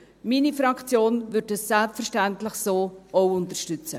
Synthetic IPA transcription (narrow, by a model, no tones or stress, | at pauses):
miːnifɾɑkʰt͡sjoːnvʏɾdəsːɛlpfərʃtæntlɪχsoːʔoʊʊntərʃtʏt͡sə